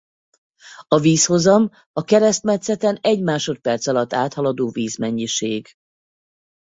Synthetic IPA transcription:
ɒviːsho̞zɒm | ɒkɛɾɛst̪mɛt̪sɛt̪ɛnɛɟmaːʃo̞t̪̚pɛrt̪sɒlɒt̪ːaːt̪hɒlɒd̪oːviːzmɛɲːiʃeːɡ

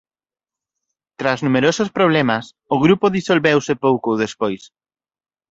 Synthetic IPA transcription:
t̪ɾaznumeɾosʊspɾoβ̞lɛmɐs | ʊɣɾupʊðisolβewsɪpowkoðespojs

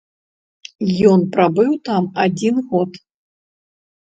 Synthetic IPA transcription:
jɔnpɾabɨwt̪amad͡zʲinɣɔt̪

